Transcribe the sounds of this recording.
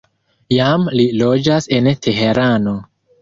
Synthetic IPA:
jamlilo̞d͡ʒase̞ntʰe̞ɦe̞ɾano̞

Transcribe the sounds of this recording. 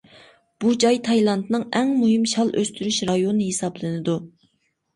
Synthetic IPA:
b̥ud͡ʒɑjt̪ʰɑjlˠɑnt̪nɨŋɛŋmuɦɪmʃɑlˠʔøst̪yɾyʃɾɑjonɨɦesɑblˠɨnɨd̪u

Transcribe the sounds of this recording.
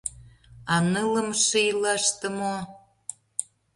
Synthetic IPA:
ɑnələmʃɨjlɑʃt̪ə̆mo

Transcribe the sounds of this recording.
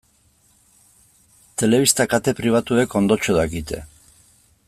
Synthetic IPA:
t̪e̞le̞βist̪akat̪e̞pɾiβ̞at̪ue̞ko̞nd̪ot͡ʃoðakit̪e̞̰

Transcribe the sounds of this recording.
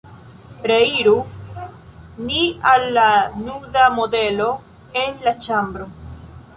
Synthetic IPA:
pɾeiɾu | nialːanuðamoðelo | enlat͡ʃambɾo

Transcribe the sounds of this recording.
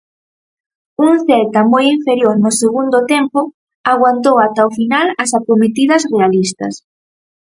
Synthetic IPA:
uŋθɛlt̪ɐmojiɱfeɾjoɾnʊseɣund̪ʊt̪empʊ | aɣ̞want̪owat̪aofinalɐsapomet̪iðɐsrealist̪ɐ̰s

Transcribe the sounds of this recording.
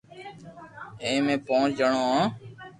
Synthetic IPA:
ẽːmẽːpõːt͡ʃd͡ʒəɳoːãː

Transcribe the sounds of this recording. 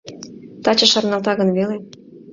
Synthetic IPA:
t̪ɑt͡ɕə̆ʃɑrnɑlt̪ɑɣənβele

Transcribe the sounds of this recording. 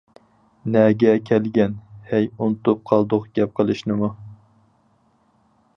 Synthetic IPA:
nɛɡʲɛkʲʰɛlɡʲɛnhɛjunt̪ʊp̚qʰɑlˠd̪ʊqɡ̥ʲɛp̚qʰəlˠɨʃnɨmu

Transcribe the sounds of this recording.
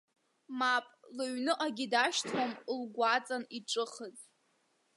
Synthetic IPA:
mapʼlɨɥnɨʔʼaɡʲidaʃtʰomlɡʷat͡sʼaniʈ͡ʂʼɨχəzʼ

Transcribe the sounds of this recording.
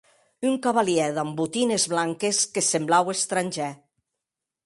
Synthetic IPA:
yŋkaβaliɛðambut̪inezβlaŋkeskesemblawest̪ɾanʲʒɛ

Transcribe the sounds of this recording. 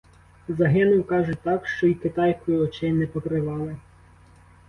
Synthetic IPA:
zɐɦɪnʊwkɑʒʊt̪ɑkʃt͡ʃɔikɪt̪ɑjskɔjiɔt͡ʃɪnɛpɔkɾɪʋɑlˠɪ

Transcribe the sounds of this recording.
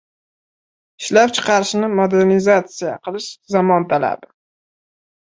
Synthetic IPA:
ɪʃlap̚t͡ʃʰɨ̥qʰɑɾɪʃnɪmod̪eɾnɪzat̪sijaqʰɨlˠɪʃzamɒnt̪ʰala̰bɪ

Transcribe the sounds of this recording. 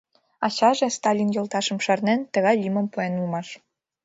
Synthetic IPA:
ɑɕɑʒĕst̪ɑlʲinjɤ̆lˠt̪ɑʃɤ̆mʃɑrnent̪ə̆ɣɑjlʲimə̆mpuenulmɑʃ

